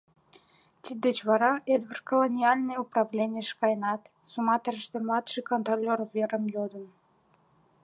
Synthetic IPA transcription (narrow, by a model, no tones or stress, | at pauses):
t̪id̪et͡ɕβɑɾɑʔed̪βərkolˠonʲiɑlʲnɨjuprɑvlʲenʲiəʃkɑjnɑt̪ | sumɑt̪əɾəʃt̪ĕmlˠɑt̪ʃɨjkont̪rolʲːervʲeɾəmjod̪ən